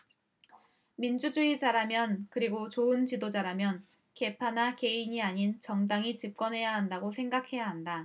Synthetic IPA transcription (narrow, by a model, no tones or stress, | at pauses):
mind͡ʑud͡ʑuid͡ʑaɾamjʌnkɯɾiɡot͡ɕoɯnt͡ɕidod͡ʑaɾamjʌn | ke̞pʰanake̞iɲiaɲint͡ɕʌŋdaŋit͡ɕip̚k͈ʌnɦe̞jaɦandaɡosʰe̞ŋɡakʰe̞jaɦanda